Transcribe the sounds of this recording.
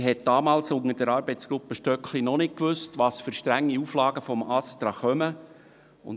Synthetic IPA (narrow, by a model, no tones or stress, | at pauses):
ɦɛt̚d̥ɑːmɑːlsʊŋəd̥əɾɑːɾbɛɪt͡sɡ̥ɾʊpːəʃtœkχlinɔnɪk̚kʋʏstʋɑsfʏɾʃtɾæŋːiuːflɑːɡəfɔmɑstɾɑχœmə | ʊ̰n